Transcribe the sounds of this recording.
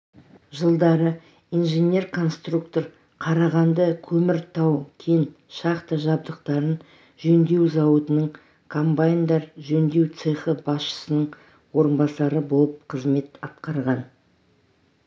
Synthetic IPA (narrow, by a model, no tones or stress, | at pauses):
ʒəlˠd̪ɑɾə | inʒenʲe̞rkʰo̞nst̪rukt̪o̞ɾ | qʰɑɾɑʁɑnd̪əkʲʰɵmɪɾt̪ʰɑwkʲʰen | ʃɑqt̪əʒɑb̚d̪əq̚t̪ɑɾən | ʒɵnd̪e̞wzɑwət̪ənəɴ | kʰompajnd̪ɑɾʒɵnd̪e̞wt̪seχəbɑsʃə̥sənəɴ | wo̞ɾənbɑsɑɾəbo̞lˠəp̚qʰəzme̞t̪ɑt̪qɑɾʁɑn